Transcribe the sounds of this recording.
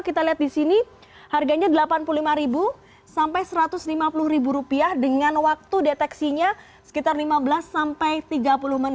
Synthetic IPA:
kit̪aliɦat̪̚disini | harɡaɲadəlapanpululimaɾibu | sampajsəɾat̪ʊslimapulʊhɾibuɾupiahdəŋanwak̚t̪udet̪ɛksiɲa | sə̥kit̪arlimabəlasːampajt̪iɡapulʊhmənɪ

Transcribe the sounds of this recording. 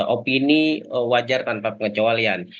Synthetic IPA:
ʔopiniwad͡ʒart̪anpapəŋət͡ʃoalian

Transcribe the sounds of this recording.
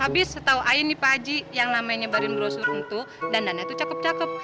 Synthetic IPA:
abɪsət̪auainipad͡ʒijaŋlamajɲabaɾɪnbəɾosuɾənt̪u | dandanat̪ut͡ʃakəp̚t͡ʃakəp̚

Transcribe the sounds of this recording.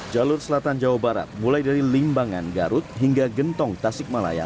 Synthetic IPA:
d͡ʒalʊrsəlat̪and͡ʒawabaɾa̰t̪̚mulajdaɾilimbaŋanɡaɾʊt̪̚ɦiŋɡaɡənt̪ɔŋt̪asɪk̚mala̰ja̰

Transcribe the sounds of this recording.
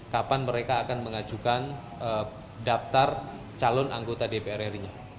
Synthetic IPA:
kapanməɾekaːkanməŋad͡ʒukan | ə | daft̪ar | t͡ʃalɔnʔaŋɡot̪adepeɛɾɛriɲa

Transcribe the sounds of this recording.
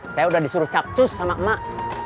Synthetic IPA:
sajaudahdisuɾuht͡ʃap̚t͡ʃʊsːamaʔmːaʔ

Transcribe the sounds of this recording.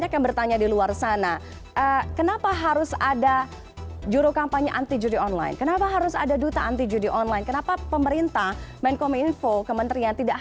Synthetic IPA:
ɲakjaŋbərt̪aɲadiluarsana | ʔəkənapaɦaɾʊsada | d͡ʒuɾukampaɲaʔant̪id͡ʒudiɔnla̰j̰nkənapaɦaɾʊsa̰dadut̪aant̪id͡ʒudiʔɔnlainkənapapəməɾint̪ahmɛnkɔminfokəmənt̪ɾiant̪idaʔ

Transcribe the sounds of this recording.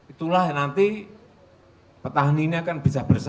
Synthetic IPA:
it̪ulahnant̪i | pət̪aɦniɲakanb̥isab̥ərs

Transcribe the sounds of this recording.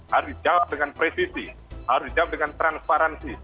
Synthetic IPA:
haɾʊsdid͡ʒawap̚dəŋanpɾesisi | haɾʊsdid͡ʒawap̚dəŋant̪ɾanspaɾansi

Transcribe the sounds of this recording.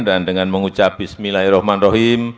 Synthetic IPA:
ndandəŋanməŋut͡ʃapisəmilaiɾɔhmanroɦim

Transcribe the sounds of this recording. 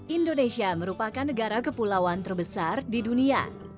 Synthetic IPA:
ʔindonesiaməɾupakanːəɡaɾakəpulawant̪ərbəsardidunia̰

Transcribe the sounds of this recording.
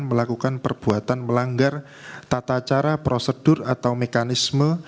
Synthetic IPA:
nməlakukanpərb̥uat̪anməlaŋɡar | t̪at̪at͡ʃaɾapɾosəd̥ʊrat̪awmekanismə

